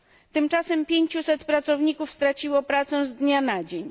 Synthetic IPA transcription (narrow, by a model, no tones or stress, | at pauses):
t̪ɘmt͡ʂasɛmpʲjeɲt͡ɕusɛt̪pɾat̪sɔvɲikufst̪ɾat͡ɕiwɔpɾat̪sɛ̃zd̪ɲanad͡ʑeɲ